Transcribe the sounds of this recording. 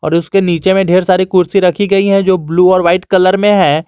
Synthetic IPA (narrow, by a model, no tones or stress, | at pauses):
ɔ̰ːɾʊskeniːt͡ʃemẽɖʱeːɾsaːɾikʊɾsiɾɐkʰiɡɐiɦɛ̃d͡ʒoːbluːɔːɾʋaːɪʈkɐləɾmẽɦɛ̃ː